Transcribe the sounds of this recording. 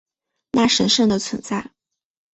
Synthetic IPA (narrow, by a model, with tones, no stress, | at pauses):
na˥˩ʂə˧˥nʂɤ˥˩ŋd̪ə˩t͡sʰwə˧˥nt͡sa˥˩ɪ